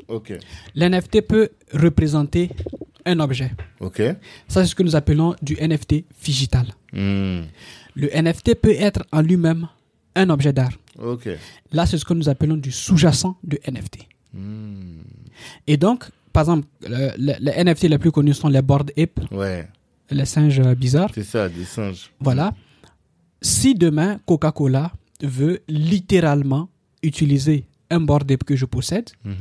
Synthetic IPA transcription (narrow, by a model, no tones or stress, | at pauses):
okelɛnɛft̪epø | ʁəpχezɑ̃t̪e | ɛ̃nɔbʒɛokʲesasɛsə̥kənuzapəlɔ̃d̪yʔɛnɛft̪efiʒit̪al | ləʔɛnɛft̪epøɛt̪χɑ̃lɥimɛ̃m | ɛ̃nɔbʒɛd̪aʁ | okḛ | lasɛsə̥kənuzapəlɔ̃d̪ysuʒasɑ̃d̪əʔɛnɛ̰ft̪ʰe̥ | ed̪ɔ̃kpaʁɛɡzɑ̃pllɛ̰lɛʔɛnɛft̪elɛplykɔnysɔ̃lɛbɔʁd̪epwɛ | lɛsɛ̃ʒøbizaʁsesad̪esɛ̃ʒvwala | sid̪əmɛ̃kokakola | vølit̪eʁalmɑ̃ | yt̪ilize | ɛ̃bɔʁd̪epkəʒəpɔsɛd̪